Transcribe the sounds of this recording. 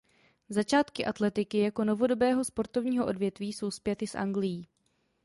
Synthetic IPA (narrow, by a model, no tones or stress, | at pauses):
zat͡ʃaːt̪kɪʔat̪lɛt̪ɪkɪjako̞no̞vo̞do̞bɛːɦo̞spo̞ɾt̪ovɲiːɦo̞ʔo̞dvjɛt̪viːso̞wspjɛt̪ɪsʔa̰ŋɡlɪjiː